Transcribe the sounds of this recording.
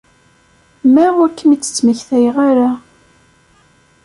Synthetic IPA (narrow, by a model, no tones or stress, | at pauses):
mæʁækːəmit͡sːə̥t͡sːməçθæjʁaɾa